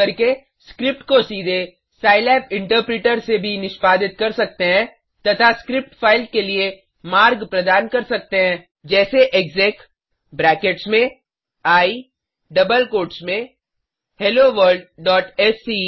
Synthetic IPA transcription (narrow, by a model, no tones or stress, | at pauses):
ɐɾke | skɾɪp̚ʈkosiːd̪ʱe | saːɪlɛːpɪ̃ɳʈəɾpɾiːʈəɾsebʱinɪʃpaːd̪ɪt̪̚kɐɾsɐk̚t̪eɦɛ̃ | t̪ɐt̪ʰaskɾɪp̚ʈfʰaːɪl̚kelie | maːɾɡpɾɐd̪aːnkɐɾsɐk̚t̪eɦɛ̃ | d͡ʒɛːseʔekzɛːk | bɾɛːkeʈsmẽ | aːi | ɖɐbəlkoːʈsmẽ | heloʋəɾɖɖɔːʈɛsːi